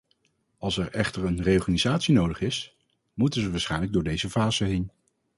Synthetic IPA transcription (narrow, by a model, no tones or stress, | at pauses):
ɑlˠsɛɹɛχtəɹənrejɔɹχaːnizaːtsinowdəχɪs | mutənzəʋaːsχɛjnləɡ̚dʊːɹdejzəvaːzəɦejn